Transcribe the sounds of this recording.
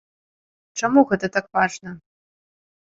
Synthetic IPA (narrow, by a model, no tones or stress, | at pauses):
ʈ͡ʂɐmuɣɛt̪ɐt̪akvaʐnɐ